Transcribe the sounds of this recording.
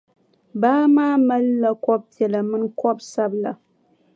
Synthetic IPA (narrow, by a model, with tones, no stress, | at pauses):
baː˦maː˦ma˦lːa˨kɔ˦b̚pi˨ɛ˨la˨mɨ˦nkɔ˦bsa˦bla˨